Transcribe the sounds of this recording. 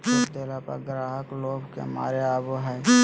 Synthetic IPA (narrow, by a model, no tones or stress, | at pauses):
ʊd̪eːlapə̰ɾɡɾaːɦəkloːbkḛma̰ːɾeaːboɦɛ